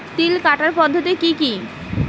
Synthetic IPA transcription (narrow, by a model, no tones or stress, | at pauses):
t̪ilkaʈaɾpɔd̪ʱːot̪ikiki